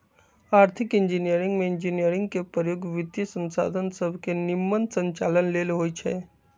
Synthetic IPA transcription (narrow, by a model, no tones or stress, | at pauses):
aːɾt̪ʰikɪnd͡ʒinijəɾĩŋɡmeɪnd͡ʒinijəɾɪ̃ŋɡ̚kepəjoɡʋɪt̪jisə̃nsa̰d̪ʱənsəbʱkenimːənsə̃ɲt͡ʃalənlelɦojt͡ʃʰɛ